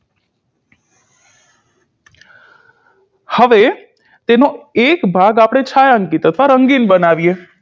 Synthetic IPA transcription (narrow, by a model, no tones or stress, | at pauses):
həʋe | t̪enoekbʱaɡapɽ̃et͡ʃʰajaŋkit̪ət̪ʰʋaɾəŋɡinbənaʋie